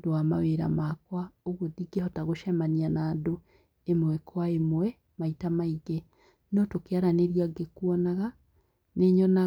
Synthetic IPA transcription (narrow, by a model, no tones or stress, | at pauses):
dowama̰weɾa̰makwaoɣodiɡehɔtaɣoʃamanianaːdo | emwɛkʰwaemwɛ | maitamaiɡɛ | nɔtokeaɾaneɾjaɡekwɔnaɣa | neɲɔna